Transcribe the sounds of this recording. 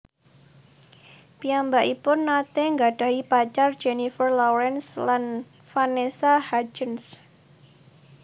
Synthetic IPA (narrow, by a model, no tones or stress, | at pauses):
piambaʔipʊnːat̪eŋɡaɖ̥a̤ipat͡ʃardd͡ʒenifərlɔwɾɛnslan | fanesahad͡ʒəns